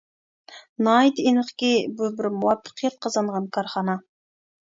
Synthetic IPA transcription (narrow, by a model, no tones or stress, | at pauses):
nɑjt̪enəχkʲebʊbɪɾmuwɑpːə̥qjɑt̪̚qʰɑzɑɴʁɑnkʰɑɾχɑnɑ